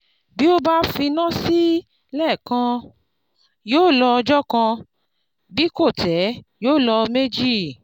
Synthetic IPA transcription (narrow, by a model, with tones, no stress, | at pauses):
bi˦o˦ba˦fĩ˧nã˦si˦ | lɛː˦˨kã˧ | joː˦˨lɔ˧d͡ʒɔ˦kã˧ | bi˦ko˦˨tɛ˨˦joː˦˨lɔ˧me˦d͡ʒi˦˨